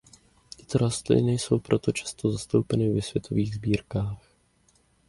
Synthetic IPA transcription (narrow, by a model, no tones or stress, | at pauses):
t̪ɪ̥t̪oɾast̪lɪ̰nɛjso̞wpɾo̞t̪o̞t͡ʃḁst̪o̞zast̪o̞wpɛnɪvɛsvjɛt̪ʰo̞viːɣzbiːɾkaːx